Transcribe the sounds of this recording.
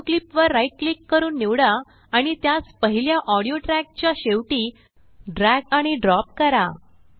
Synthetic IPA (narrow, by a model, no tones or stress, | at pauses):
klipʋəɾːajʈ̚klikːəɾuːnːiʋɽaː | ɽ̃it̪jaspəɦiljaʔɔɽijoʈɾæk̚t͡ɕjaɕeʋʈiː | ɖɾæɡaɽ̃iɖɾɔp̚kəɾa̰